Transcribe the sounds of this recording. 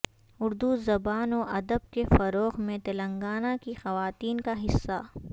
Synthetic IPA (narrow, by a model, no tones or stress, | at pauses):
ʊɾd̪uzɐbaːnoʔɐd̪əb̚kefɐɾoːɣmẽt̪ɐlɐ̃ŋɡaːnakixɐʋaːt̪iːnkaɦɪsːa